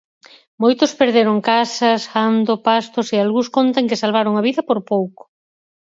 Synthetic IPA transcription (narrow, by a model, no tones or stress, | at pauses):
mojt̪ʊspeɾðeɾoŋkasɐsand̪opast̪osealɣuskont̪aŋkɪsalβaɾoŋaβiðɐpoɾpowko̥